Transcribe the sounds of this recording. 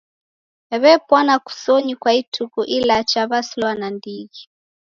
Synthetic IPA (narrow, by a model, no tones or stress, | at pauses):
ɛβɛpwanaku̥sɔɲikwaitʰukuʔilat͡ʃaβaslɔanandiɣi